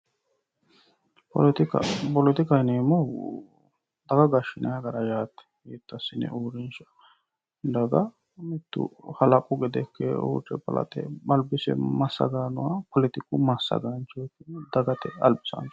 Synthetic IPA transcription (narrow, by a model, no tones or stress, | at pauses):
pɔt̪kpɔlɔt̪ɪkɐjneːmɔ | d̪̥ɐɡɐɡɐʃɪnɐjɐɡɐɾɐjaːt̪ːɛ̥jit̪ːɐsɪnːɛ̰ʔuːɾɪnʃɐ̥ | d̪ɐɡɐ | mɛt̪ːʊ̰hɐlɐkʼʊɡɛd̪ɛkːɛ̰ṵːt͡ʃːɛpɐ̰lɐ̰t̪ɛ̰bɐlbɪsɛ̰mɐsːɐ̰ɡaːnʊ̰wapɔlɪt̪ɪkʊmɐsːɐ̰ɡant͡ʃot̪ːɪnd̪ɐɡɐt̪ɛɐ̰lbɪsa̰nt͡ʃ